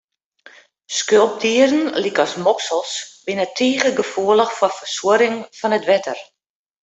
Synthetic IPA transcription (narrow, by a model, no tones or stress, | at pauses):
skølˠp̚diəɾn̩likɔsmɔksəlˠsbɪnətʰiːɣəɡəfuələxfwɔfərsuəɾɪŋfɔnətʋɛtʰər